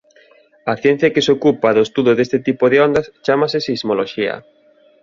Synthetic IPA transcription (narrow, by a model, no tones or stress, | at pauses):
ɐθjɛn̟θjɐkɪsokupaðoest̪uðoðest̪ɪt̪ipoðɪond̪ast͡ʃamasɪsizmoloʃiɐ̰